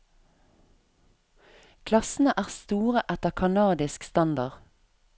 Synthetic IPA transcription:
kʰlɑsn̩əʔæːʁst̪uːʁəʔæt̪əʁkʰɑnɑːd̪ɪskst̪ɑnd̪ɑʁ

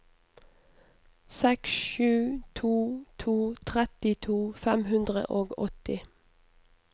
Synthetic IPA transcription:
sɛksʃʉːt̪ʰuːt̪ʰuːt̪ʰʁɛt̪ɪt̪ʰuːfɛmhʉnd̪ʁə̰ʔoːɡɔt̪ɪ

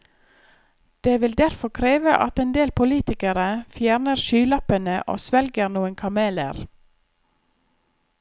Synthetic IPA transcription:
d̪̥eːʋɪld̪æɾfɔkʰɾeːʋə̰ʔɑt̪eːnd̪eːlpʰʊliːt̪ɪkəɾəfjæːɾnəɾʃyːlɑpənəʔo̰ːsʋɛlɡəɾnuːənkʰɑmeːlə̰ɾ

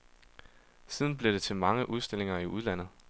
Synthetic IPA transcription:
siːð̞ˠn̩b̥le̝d̥e̝t͡sʰe̝mɑ̈ŋəʔuð̞ˠsd̥e̝le̝ŋɐiʔuðˠlæn̰ð̩ˠ

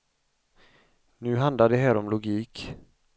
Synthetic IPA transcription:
nʉ̟ːɦand̪laɖɛɦæːɾɔmlʊɡiːk

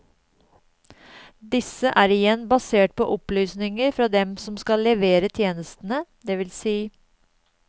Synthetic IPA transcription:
d̪ɪsəʔæːɾɪjɛnbɑseːʈ̚pʰo̰ːʔɔplyːsnɪŋəɾfɾɑːd̪ɛmsɔmskɑlːɛʋeːɾət̪ʰjeːnəst̪n̩əd̪eːʋɪlsiː

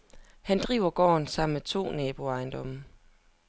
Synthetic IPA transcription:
hænd̥ʁḭːʊɐɡ̥ɒ̰ːnsɑ̈m̰nmet͡sʰo̝̰ːnɛːb̥o̝ɑ̈ɪnd̥ɒ̽m̰ə

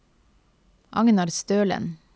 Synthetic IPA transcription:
ʔɑ̰ŋnɑɾst̪øːlə̰n

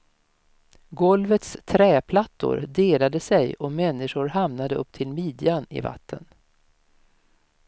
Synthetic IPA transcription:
ɡɔlvət̪st̪ʰɾɛːpʰlat̪ːʊ̰ɾd̪eːlad̪əsɛjɔmɛnːɪʂʊɾɦamnad̪əɵpːt̪ʰɪlmiːd̪ɪanɪ̰va̰t̪ːə̰n

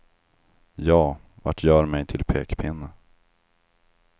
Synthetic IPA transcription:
jɑː | va̰ʈʰjœːɾmɛjt̪ʰɪlpʰeːkpʰɪnːə

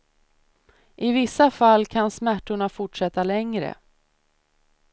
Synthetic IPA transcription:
ʔɪvɪsːafalːkʰansmæʈːʊɳafʊʈʂɛt̪ːalɛŋɾə̰

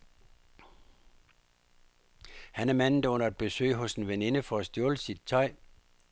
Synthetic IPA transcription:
hænæɐmæn̰n̩d̥æɔ̽n̰ɐed̥̚b̥e̝sø̰ːɪɦɔ̽senʋene̝nəfɒæsd̥joːləsid̥̚t͡sʰɒɪ̰

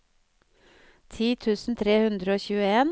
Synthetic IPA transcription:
t̪ʰiːt̪ʰʉːsn̩t̪ʰɾeːhʉnd̪ɾəoːçʉːəeːn

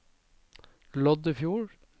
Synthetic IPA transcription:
lɔd̪əfjuːɹ

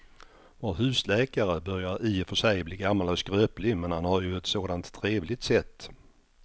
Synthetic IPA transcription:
voːɾɦʉ̟ːslɛːkaɾəbœɾjaɾiːfœʂɛjbliːɡamːalɔskɾøːplɪmɛnhanhaɾjɵɛt̪soːd̪ant̪ʰːɾeːvlɪt̪sɛt̪ː

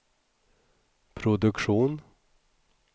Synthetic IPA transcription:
pʰɾʊd̪ɵkʂuːn

